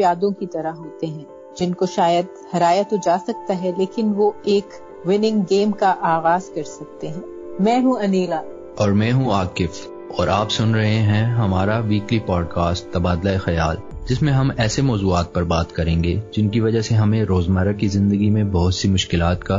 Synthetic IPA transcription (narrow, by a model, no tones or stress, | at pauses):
pjaːd̪õkit̪ɐɾaɦoːt̪eɦɛ̃ː | d͡ʒɪnkoʃaːjəd̪̚hɐɾaːjat̪od͡ʒaːsɐk̚t̪aɦɛleːkɪnʋoeːk | wɪnɪ̃ŋɡɡeːmkaʔaːɣaːzkɐɾsɐk̚t̪eɦɛ̃ː | mɛ̃ːɦũɐniːlaː | ɔːɾmɛ̃ːɦũaːkɪf | ɔːɾʔaːpsʊnɾɐɦeɦɛ̃ɦɐmaːɾaʋiːklipɔːɖkaːsʈ̚t̪ɐbaːd̪laexɐjaːl | d͡ʒɪsmẽɦɐmɛːsemɔːzuːaːt̪̚pɐɾbaːt̪kɐɾẽːŋɡeːd͡ʒɪnkiʋɐd͡ʒaɦseɦɐmẽɾoːzmaɾakizɪ̃nd̪əɡimẽbɐɦʊt̪simʊʃkɪlaːt̪ka